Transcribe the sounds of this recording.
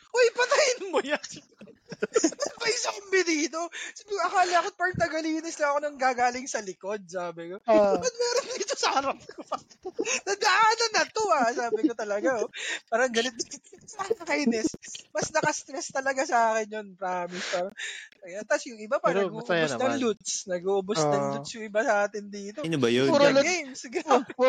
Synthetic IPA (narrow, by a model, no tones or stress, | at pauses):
ʔojpɐt̪ɐjɪnmoja | mɐspɐjɪsɐkʊmbɪd̪iːt̪o̞siːbɪkʔɐkaːlaɐkopɐɹt̪ɐɡɐliːnɛslɐŋɐkonɐŋɡaːɡaːlɪŋsɐlɪko̞d̪̚saːbɪkopɐd̪̚mɛːɾond̪iːt̪osɐhɐɾɐp̚ko | nɐd̪ɐʔaːnɐnɐt̪oasaːbɪkot̪ɐlɐɡaopaːɾɐɐŋɡɐlɪt̪̚ɐŋnɐkɐjnɛsmɐsnɐkɐst̪ɾɛst̪ɐlɐɡasɐaːkɪnjonpɾaːmispaːɾɐɐɡɐt̪ɐsjʊŋʔɪbapɐɐɡuːʔonɐŋlut̪snɐɡuːʔʊbosnɐŋlut̪sjʊŋɪbasɐaːt̪ɪnd̪iːt̪onbɐjoɾɡejmsɡ